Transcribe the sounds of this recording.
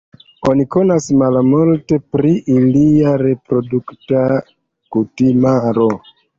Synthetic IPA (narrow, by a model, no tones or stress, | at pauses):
o̞niko̞nasmalmulte̞pɾiʔiliaɾe̞pɾo̞dukta | kutimaɾo̞